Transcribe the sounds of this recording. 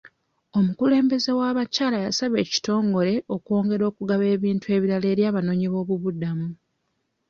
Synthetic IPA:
o̞mukule̞ːmbe̞ze̞waːβacaːlajasaβe̞ːci̥to̞ːŋɡo̞ɾe̞ʔo̞kwo̞ːŋɡe̞ɾo̞ːkuɡaβe̞ːβiːntue̞ːβiɾale̞ːɾjaːβano̞ɲiβo̞ːβuβudamu

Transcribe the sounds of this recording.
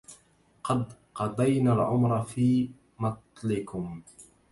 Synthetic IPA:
qɑd̪qɑd̪ˤɑjnalʕʊmɾˤɑfiː | mɑt̪ˤlɪkʊm

